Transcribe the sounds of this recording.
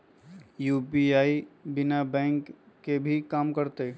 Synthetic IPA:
juːpiaːibɪnabɛ̃ːŋkː | ebʱikaːmkəɾt̪e

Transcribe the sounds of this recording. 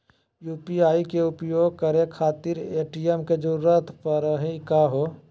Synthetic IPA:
juːpiaːikeʊpjoːɡ̚kəɾekʰaːt̪ɪɾeːʈijemked͡ʒəɾuɾət̪ʰpəɾəɦeikaɦoː

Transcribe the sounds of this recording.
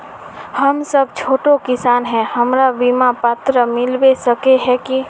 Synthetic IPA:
həmsəb̚ʱt͡ʃʰoːʈokɪsaːnɦɛ̃həmɾabimapat̪ɾəmɪlbesəkeɦɛki

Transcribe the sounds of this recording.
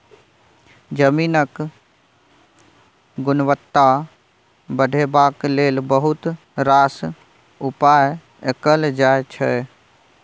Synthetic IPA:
d͡ʒəmiːnək | ɡʊnʋət̪ːa | bəɖʱebaːkleːlbəɦʊt̪ | ɾaːs | ʊpaːj | ekəld͡ʒaːjt͡ʃʰɛ

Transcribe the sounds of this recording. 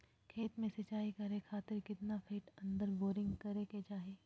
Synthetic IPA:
kʰeːt̪mẽsɐt͡ʃaːikɐɾekʰaːt̪ɪɾkɪt̪napʰeːʈɐ̃nd̪əɾboːɾɪ̃ŋɡkɐɾeket͡ʃaːɦeː

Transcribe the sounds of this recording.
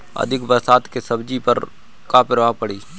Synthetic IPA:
ɐ̰d̪ʱɪkbəɾsaːt̪kesɐbd͡ʒipəɾ | kaːpɪɾʋapəɽiː

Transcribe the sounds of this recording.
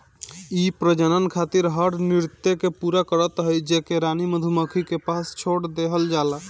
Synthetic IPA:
ipɾəd͡ʒənənkʰat̪iɾɦəɽnɪɾt̪ːekepuɾakəɾət̪ɦəjd͡ʒekeɾaniməd̪ʱuməkʰikepaːst͡ʃʰoɽd̪eɦəld͡ʒaːla

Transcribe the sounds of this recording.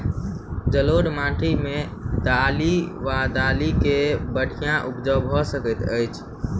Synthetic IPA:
d͡ʒəloɽmãːʈʰimẽd̪aliʋad̪aːlikebəɽ̤ʱijãʔupd͡ʒəwbʱɔsəkət̪əɪt͡ʃʰ

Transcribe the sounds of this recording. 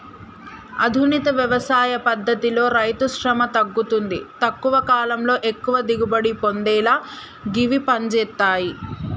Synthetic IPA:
ɐ̰d̪ʱunit̪ɐʋjɐʋɐsaːjɐpɐd̪ʱːɐt̪ilo̞ːɾɐjt̪uʃɾɐmɐt̪ɐɡːut̪und̪it̪ɐkːuʋɐkaːlɐmlo̞ːʔekːuʋɐd̪iɡubɐɽipond̪ɛːlaː | ɡiʋipɐɲd͡ʒɛːt̪ːaːji

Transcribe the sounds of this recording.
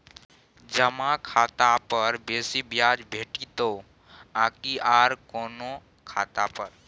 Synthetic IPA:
d͡ʒəmãkʰaːt̪apəɾbeːsibjaːd͡ʒbʱeːʈit̪o | ãːkiaːɾkoːno | kʰaːt̪apəɾ

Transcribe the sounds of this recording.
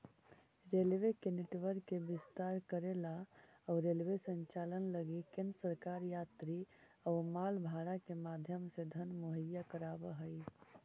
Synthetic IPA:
ɾelʋekeniʈʋəɾkebist̪aɾkəɾelaː | uɾelʋesənt͡ʃalənləɡikensəɾkaɾjat̪ɾi | əumalbʱaɽakemad̪ʱjəmsed̪ʱənmoɦəjakəɾabəɦəj

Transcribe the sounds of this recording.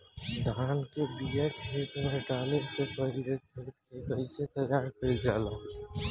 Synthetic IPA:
d̪ʱaːnkebiəkʰɦeːt̪nʊʈaːlesepəɾid̪ekʰeːt̪kekəɪset̪əjaːɾkəɾid͡ʒaːlaː

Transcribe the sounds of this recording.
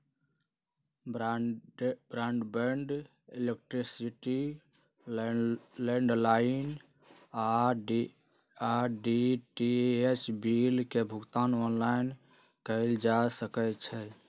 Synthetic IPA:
bɾaɳɖbeɳɖ | elek̚ʈɾisiʈi | leɳɖlain | aɖ | aɖiʈiet͡ʃbilkebʱʊɡt̪anɔnlaɪn | kəɪld͡ʒasəkɛt͡ʃʰɛ

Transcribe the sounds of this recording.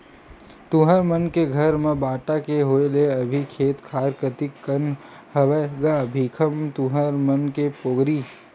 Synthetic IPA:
t̪ũɦəɾmənkeɡʱəɾmẽbaːʈakeɦoeleəbʱikʰeːt̪kʰaːɾkət̪ɪkːən | həʋəɡabʱiːkʰəmt̪ũɦəɾmənkepoːɡɾiː

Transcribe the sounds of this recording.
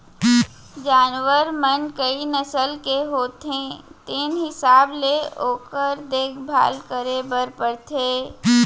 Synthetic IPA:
d͡ʒaːnwəɾmənkəinəsəlkeɦoːt̪ɦẽt̪eːnɦɪsaːbleoːkəɾd̪eːkʰbʱa̰ːlkəɾebəɾpəɽt̪ʰeː

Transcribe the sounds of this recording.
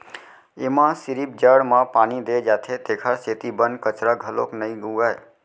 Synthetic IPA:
emãsiɾip̚d͡ʒəɽmə̃panid̪ed͡ʒat̪ʰet̪ekʰəɾset̪ibənkət͡ʃɾəɡʱəlo̰knəjɡuɡaj

